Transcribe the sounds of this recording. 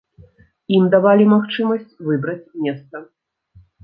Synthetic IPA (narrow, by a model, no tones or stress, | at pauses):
imd̪avalʲimaxt͡ʂɨmɐsʲt͡sʲvɨbɾɐt͡sʲmʲɛst̪sɐ